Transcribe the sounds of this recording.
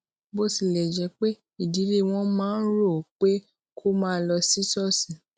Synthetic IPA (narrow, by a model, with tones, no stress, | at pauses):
bo˦˨si˨lɛ˨d͡ʒɛ˨˧k͡pe˦ | i˦˨di˨˦le˦˨w̃ɔ̃˦mãː˨˦n̩˦ɾo˦˨k͡pe˦ | kʰo˦mãː˦lɔ˧si˦sɔ˦˨sĩ˨